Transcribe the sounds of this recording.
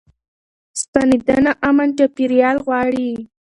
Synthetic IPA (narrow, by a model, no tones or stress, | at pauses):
st̪anid̪anaʔamant͡ʃapiɾijɑlɣwɑɽi